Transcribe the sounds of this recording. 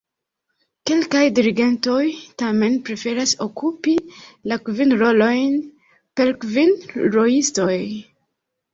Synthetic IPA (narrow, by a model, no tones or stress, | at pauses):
ke̞lkajdiɾiɡe̞nto̞jtame̞npɾe̞fe̞ɾasokʰupilakvinɾo̞lo̞jn | pe̞ɾkvinɾo̞isto̞j